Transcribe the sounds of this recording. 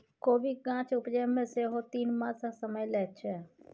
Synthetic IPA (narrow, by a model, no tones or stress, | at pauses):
koːbiɡãːt͡ʃʊpd͡ʒemẽseɦot̪iːnmãːsasəməjlɛːt͡ʃʰeː